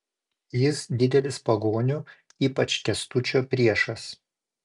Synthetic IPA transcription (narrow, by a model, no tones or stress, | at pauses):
jɪsd̪ʲɪd̪ʲɛlʲɪspɐɡoːnʲʊ | iːpɐt͡ʃʲkʲɛst̪ʊt͡ʃʲoːpʲɾʲiɛʃɐs